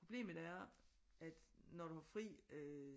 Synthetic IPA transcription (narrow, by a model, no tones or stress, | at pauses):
ʁo̝b̥le̝̰ːmð̩ˠæɐ | ʔæd̥nɒdɾuhɑ̈fʁḭːø